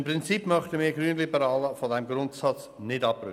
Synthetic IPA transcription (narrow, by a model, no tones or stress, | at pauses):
mpʁɪnt͡sipːmœχtəmiːɡɾyːnlibəɾɑːləfodɛmɡɾʊntsɑt͡s | nɪdɑprʏ̰